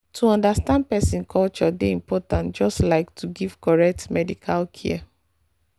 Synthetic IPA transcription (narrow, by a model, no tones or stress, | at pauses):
tʰuɔ̃ndastãnd̚pɛsĩnkʰɔlt͡ʃɔdeĩmpɔtãntd͡ʒɔstlaɪktʰuɡivkɔɹɛk̚tmɛdikʰalkʰɛ̰